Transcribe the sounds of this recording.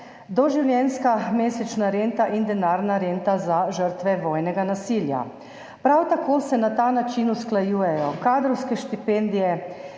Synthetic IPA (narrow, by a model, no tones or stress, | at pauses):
d̪ɔʒiwlʲjɛnskameːsɛt͡ʃnaɾent̪aʔind̪ɛnaːɾnaɾent̪azaʒəɾt̪ʋɛʋɔːjnɛɡanasilja̰ | pɾawt̪akoːsɛnat̪aːnat͡ʃinusklajuːjɛjɔkaːd̪ɾɔwskɛʃt̪ipend̪ijɛ